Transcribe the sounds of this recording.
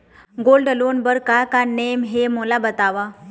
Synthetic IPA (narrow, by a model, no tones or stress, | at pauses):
ɡolɖəlonbəɾkakanemɦemolabət̪aʋa